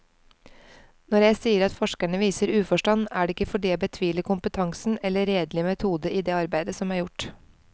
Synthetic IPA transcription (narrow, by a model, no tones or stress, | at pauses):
nɔɾjæɪsiːəɾɑt̪fɔʂkæɳəʋiːsəɾʉːfɔʂʈɑnːæːɖɛːɪkːəfɔɖiːæbət̪ʰʋiːləkʰʊmpət̪ʰɑŋsn̩ɛlːəɾeːd̪lɪmɛt̪ʰuːd̪əʔiːd̪eːɑɾbæɪd̪əsɔmæːɾjʊʈ